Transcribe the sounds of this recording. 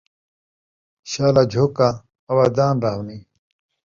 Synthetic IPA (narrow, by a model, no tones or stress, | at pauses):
ɕaːlad͡ʑʱoːkãː | waːd̪aːnɾaːɦwni